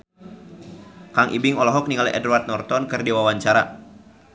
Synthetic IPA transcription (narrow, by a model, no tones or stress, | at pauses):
kaŋʔḭbɪŋɔlɔɦɔk̚niŋaliʔɛ̰duart̪̚nɔrt̪ɔnkɨrdiwawaɲt͡ʃaɾa̰